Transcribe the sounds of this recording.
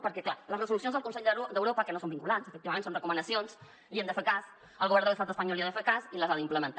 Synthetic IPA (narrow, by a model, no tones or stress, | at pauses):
pəɾkɛklaləzrəzulusjonzðəlkunseʎdd̪əwɾopəkənosombiŋkulansəfək̚t̪iβɐmẽnsonrəkumənəsions | liənd̪əfekas | əlˠɣuβɛɾnd̪ələst̪at̪əspəɲɔlˠiaðəfekasiləzaðimpləmə̃nt̪a